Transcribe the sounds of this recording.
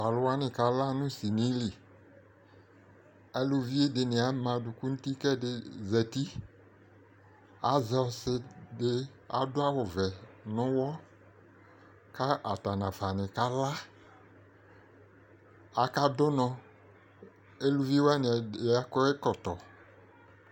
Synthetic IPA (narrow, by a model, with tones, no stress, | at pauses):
va˨lʊ˦wa˦nɪ̃˨ka˨la˦nũ˦si˨nĩ˨˦li˨ | ɛ˦lu˨vi˦e˦de˨nɪ̃˨a˨mã˨du˨ku˦nũ˦t̪i˦kɛ˦de˨zɛ˨t̪i˦ | a˨zɔ˨sɪ˦de˦ | a̰˨dʊ˦a˦wɔ˨vɛ˨nʊ̃˦wɔ˦ | ka˦ʔa˨t̪a˨nã˨fa˨nɪ̃˨ka˦la˦ | a˨ka˦dʊ˦nɔ̃˨ | e˦lu˦vi˦wa˦nɪ̃˨˦a˦kɔ˦e˦kɔ˨t̪ɔ˨